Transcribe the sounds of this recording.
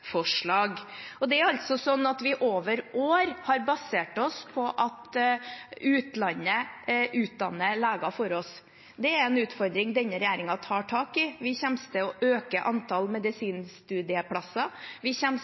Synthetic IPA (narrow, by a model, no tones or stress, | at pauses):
fɔʂɭɑːɡɔd̪ɛæɾɑlt̪sɔsɔnːɑt̪ʋɪʔoːʋəɾʔoːɾhɑɾbɑseːʈɔspʰɔʔɑt̪ | ʉːt̪lɑnːəʔʉːt̪̚d̪ɑnːəlæːɡɑfɔɾɔs | d̪ɛæɾɛnʉːt̪fɔɾd̪ɾɪŋd̪ɛnːəɾɛjæːɾɪŋɑt̪ʰɑːʈʰɑːkɪʋɪçɛmst̪əɔʔøːkəʔɑnt̪ʰɑlmɛd̪ɪsiːnst̪ʉːd̪ɪəpʰɽɑsːɑʋɪçɛm